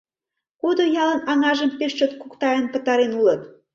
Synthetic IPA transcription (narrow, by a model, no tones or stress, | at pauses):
kud̪ojɑlə̆nɑŋɑʒəmpeʃt͡ɕot̪̚kukt̪ɑjənpət̪ɑɾenulən